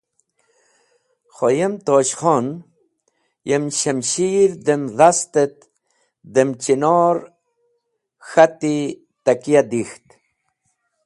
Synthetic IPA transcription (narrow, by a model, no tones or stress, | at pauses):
xojemt̪oɕχon | jemɕəmɕiːɾd̪emðast̪et̪̚ | d̪emt͡ʃinoɾ | xat̪i | t̪akijad̪ixt̪